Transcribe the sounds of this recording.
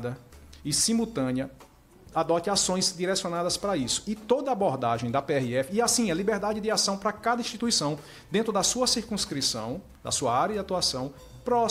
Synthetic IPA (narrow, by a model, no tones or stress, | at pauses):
d̪ɐɪsĩmut̪ɐ̃niɐ | ad̪ɔt̪ɪasõj̃zd̪iɾɛsjõnad̪ɐspɾɐisʊ̥ɪt̪od̪ɐaboɾd̪aʒẽj̃d̪ɐpeɛhiɛfɪːasĩɛlibeɾd̪ad͡ʒɪd̪ɪasɐ̃w̃pɾɐkad̪ɐĩʃt̪it̪uisɐ̃w̃ | d̪ẽnt̪ɾʊd̪ɐsuɐsiɾkũskɾisɐ̰̃w̃ | d̪ɐ̰suɐaɾjɐd̪ɪat̪uasɐ̃w̃ | pɾɔ